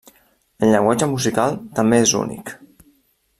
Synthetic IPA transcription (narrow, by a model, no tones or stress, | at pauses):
əlʎəŋɡwad͡ʒəmuzikalˠt̪əmbeezṵnḭk